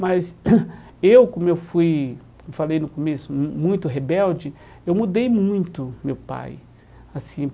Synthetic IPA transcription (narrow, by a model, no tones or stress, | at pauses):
maz | ewkõmʊewfuj | falejnʊkomesʊmũj̃t̪ʊɦebɛwd͡ʒɪ | ewmud̪ejmũj̃t̪ʊmewpa̰j | asĩ